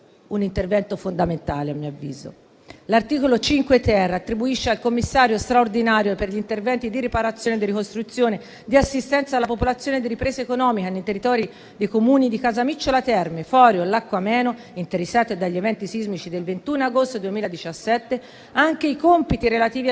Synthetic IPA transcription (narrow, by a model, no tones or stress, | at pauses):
unint̪ervɛnt̪ofond̪ament̪aːleamːiavːḭːzo̰ | lart̪iːkolot͡ʃiŋkwet̪ɛrːaːt̪ːɾibuiʃːealkomːisːaːɾjost̪ɾaord̪inaːɾjoperʎint̪ervɛnt̪id̪iɾipaɾat̪sːjoːned̪iɾikost̪ɾut̪sːjoːne | d̪iasːist̪ɛnt̪salːapopolat̪sːjoːned̪iɾipɾeːzeekonɔːmikanejt̪erːit̪ɔːɾi | d̪ejkomuːnid̪ikazamit͡ʃːolat̪ɛrmefɔːɾjolakːwamɛːno | int̪eɾesːaːt̪ed̪aʎːevɛnt̪isizmit͡ʃid̪elvent̪unaɡost̪od̪uemiːlad̪it͡ʃasːɛt̪ːe | aŋkeikompit̪iɾelat̪iːvi